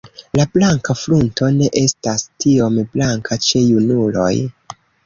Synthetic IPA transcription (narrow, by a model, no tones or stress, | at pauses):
lablaŋkaflunto̞ne̞ʔe̞stastio̞mblaŋkʰat͡ʃe̞junulo̞̰j